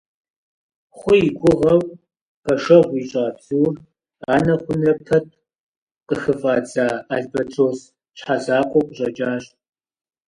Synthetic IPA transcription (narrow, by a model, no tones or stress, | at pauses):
χʷʊjiɡʷʼʊʁɐw | pʰɐʃɐʁʷiːɕʼaːbzuːr | aːnɐχʷʊnɐpʰɐt̚ʰ | qəxɨfʼaːd͡zʼaːaɮbɐtʰoːs | ɕħazaːkʷʼɔqʷʊɕʼɐt͡ʃʼaːɕ